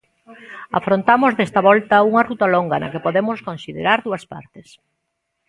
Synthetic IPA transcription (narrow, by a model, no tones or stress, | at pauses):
a̰fɾont̪amʊzðest̪ɐβɔlt̪ɐuŋɐrut̪ɐloŋɡɐnɐ̰kepoðemʊskonsiðḛɾaɾðuɐspa̰ɾt̪ɪs